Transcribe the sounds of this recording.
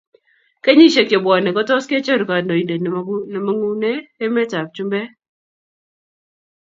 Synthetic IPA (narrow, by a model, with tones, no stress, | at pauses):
ke˦ɲi˦ʃe˨kje˨bwɔ˨nɛ˨kɔ˦tɔ˦ske˦t͡ʃe˦ɾu˨ka˨ndɔ˨i˨nde˨n˨˦nɛ˨ma˦ŋu˦neː˦mɛ˦ta˨p̚t͡ʃu˦mbɛ˦